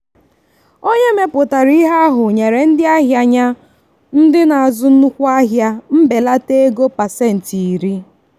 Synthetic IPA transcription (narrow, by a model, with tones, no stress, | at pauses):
o˦ɲe˦me˦pʊ˨ta˨ɾi˦ɦa˦ɦʊ˨ɲe˨ɾe˨n̩˦dɪ˦a˦ɦja˨ɲa˦ | n̩˦dɪ˦na˨a˨zʊ˦n̩˦u˦kʷu˦a˦ɦja˦m̩˦be˨la˦te˦e˦ɡo˦pa˨se˦˨n̩˨ti˨i˨ɾi˦